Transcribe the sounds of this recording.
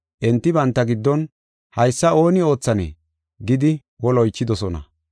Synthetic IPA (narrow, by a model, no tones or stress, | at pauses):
ʔɛnt̪ːɪbɐnt̪ːɐɡɪd̪ːɔn | hɐjsːɐo̞ːnɪo̞ːt͡sːɐnḛː | ɡɪd̪ɪ | wɔlɔjt͡ʃːɪd̪ɔsɔnɐ̰